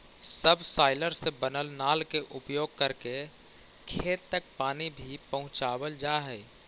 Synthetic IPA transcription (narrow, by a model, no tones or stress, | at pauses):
səbsaːɪləɾsebənəlnaːlkeʔʊpjoːɡ̚kəɾke | kʰeːt̪ːək̚paːnibʱipəɦʊ̃t͡ʃaːwəld͡ʒaːɦɛː